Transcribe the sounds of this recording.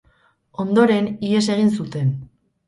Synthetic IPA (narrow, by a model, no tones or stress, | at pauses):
o̞nd̪o̞ɾe̞niese̞ɣ̞insut̪e̞n